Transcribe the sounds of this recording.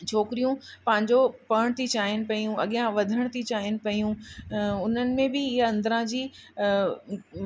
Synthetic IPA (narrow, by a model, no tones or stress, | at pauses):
t͡ɕʰoːkɪɾijũpɐ̃ɦɪ̃ɲd͡ʑopɐɽ̃t̪ʰit͡ɕaːɦɪnɪ̆pɐijũɐɠijãʋɐd̪ʱəɽ̃t̪ʰit͡ɕaːɦɪnɪ̆pɐijũʊn̤ənɪ̆mẽbɪɪɦɐ̃nd̪əɾãd͡ʑiː